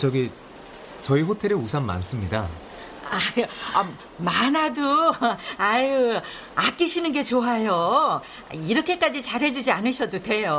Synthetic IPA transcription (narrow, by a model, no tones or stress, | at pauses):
t͡ɕʌɡi | t͡ɕʌiɸotʰe̞ɾeusʰamma̰ns͈ɯmɲida | aa | manado | aj | ak͈iɕʰinɯnɡe̞t͡ɕoajo | a̰iɾʌkʰe̞k͈ad͡ʑit͡ɕaɾɦe̞d͡ʑud͡ʑianɯɭɕʰʌdode̞jo